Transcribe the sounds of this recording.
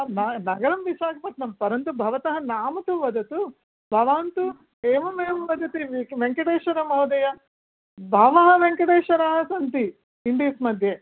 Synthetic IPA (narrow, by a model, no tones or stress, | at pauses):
nɐnɐɡɐɭɐmʋiʃaːkɐpɐʈ̪nɐmpɐɾɐnt̪ubʱɐʋɐt̪ɐɦɐ̆naːmɐt̪uʋɐd̪ʱɐt̪u | bʱɐʋaːnt̪u | eːʋɐmeːmʋɐd̪ɐt̪iʋʋeŋkɐɽeːʃɐɾɐmɐwd̪ɐjɐ | bʱaːʋɐɦɐ̆ʋeŋkɐɽeːʃɐɾɐɦɐsɐnt̪i | iɳɖiːsmɐd̪ʱje